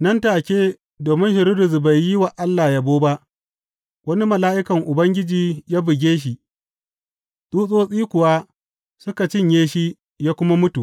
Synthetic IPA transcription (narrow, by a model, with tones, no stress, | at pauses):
nɐ˦ntaː˨kʲeː˦ | doː˨mɪ˦nʃɐ˨ɾi˦dʊ˨zu˨ba˨jːɪ˦wa˨ʔa˦lːaː˨ja˦boː˦ba˦ʔ | wɐ˦ni˦mɐ˨laː˦ʔɪ˦kɐ˨ŋʔʊ˨bɐ˦ŋɡʲɪ˦d͡ʒiː˨jaː˦bɪ˨ɡʲeː˦ʃ̬i˨ | ɗuː˦sʼoː˦sʼiː˦kʷʊ˨waː˦ | sʊ˦ka˨t͡ʃɪ˦˨ɲjeː˦ʃi˦ | jaː˦kʷʊ˦ma˦mʊ˦tu˨ʔ